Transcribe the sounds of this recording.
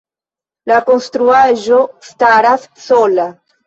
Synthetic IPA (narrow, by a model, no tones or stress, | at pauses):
lakonst̪ɾuaʒost̪aɾassola